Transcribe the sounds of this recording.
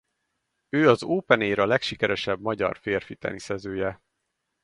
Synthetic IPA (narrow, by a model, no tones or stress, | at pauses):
øːɒzoːpɛneːɾɒlɛkʃikɛɾɛʃɛbmɒɟɒ̰rfeːrfit̪ɛ̰nisɛzøːjɛ